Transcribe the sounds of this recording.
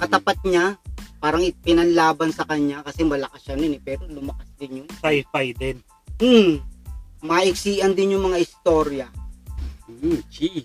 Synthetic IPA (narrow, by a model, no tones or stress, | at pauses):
kɐt̪ɐpat̪̚ɲapaːɾɐŋɪpɪnɐnlaːbɐnsɐkɐɲːakɐsɛmɐlɐkasːɐnɪnɛpɛːɾo̞lʊmɐkasd̪ɪnjʊŋsajfajd̪ɛn̩ | mɐʔɪk̚siːʔɐnd̪ɪnjʊŋmɐŋaʔɪst̪o̞ːɾjɐ | t͡ʃi